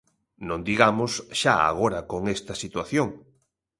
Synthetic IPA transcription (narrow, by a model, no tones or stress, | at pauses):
nõnd̪iɣamosʃaa̰ɣ̞oɾɐkoŋest̪ɐsit̪waθjoŋ